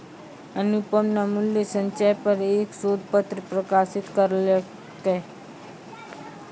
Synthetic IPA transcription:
ənupəmnamʊljəsə̃ɲt͡ʃajpəɾeksod̪̚ʱpət̪ɾəpɾəkasɪt̪kəɾl | kə

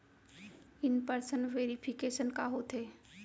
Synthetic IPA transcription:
ɪnpəɾsənʋeːɾipʰɪkeːʃənkaɦoːt̪ɦeː

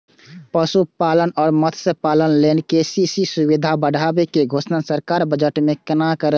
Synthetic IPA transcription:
pəsupaːlənɔːɾmət̪ʰsepaːlənleːnkeːsisisuʋid̪ʱabəɽʱaːbekeɡʱoːsnasəɾkaːɾbəd͡ʒəʈmẽkənakəɾə

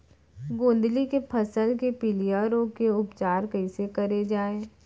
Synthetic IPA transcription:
ɡõːnd̪likepʰɐsəlkepɪlijaːɾõkeʊpt͡ʃaːɾkɐɪsekɐɾed͡ʒaːeː

